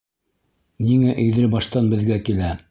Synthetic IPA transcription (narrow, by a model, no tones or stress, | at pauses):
niŋæʔɵ̆ðɾɘbɑʃt̪ɑnbɘ̆ðɡækilæ